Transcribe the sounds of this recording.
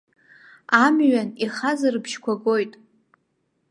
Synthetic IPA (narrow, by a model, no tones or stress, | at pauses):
amɥaniχazɨrɨbʃkʷʰaɡo̞jtʼ